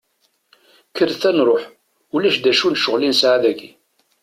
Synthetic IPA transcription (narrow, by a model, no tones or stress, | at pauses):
kəɾθænɾˤoħ | ulæʃd̪æʃunʃəʁlinsʕaðæɡi